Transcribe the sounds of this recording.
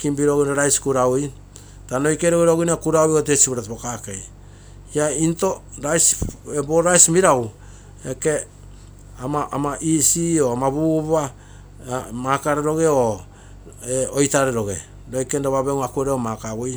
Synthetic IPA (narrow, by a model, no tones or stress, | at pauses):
kimbiɾoɡunaɾajskuɾawi | tanojkeɾoɡeɾoɡinakuɾawiotesiβoɾatβokakej | iainto̞ | ɾajseboɾajsmiɾaw | eke̞ | amaʔamaʔisioamaβuβa | makaɾeɾo̞ɡe̞o | eojtaɾeɾo̞ɡe̞̰ | ɾojkendoβaβeŋuakueɾeomakawoj